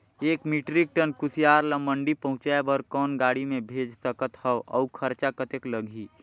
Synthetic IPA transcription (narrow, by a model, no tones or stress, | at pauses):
eːkmiʈɾik̚ʈənkʊsijaːɾləməɳɖipəɦʊ̃t͡ʃaebəɾkɔːnɡaːɽimẽbʱeːd͡ʒsəkət̪hɛoʔɔ̰kʰəɾt͡ʃakət̪ekləɡʱiː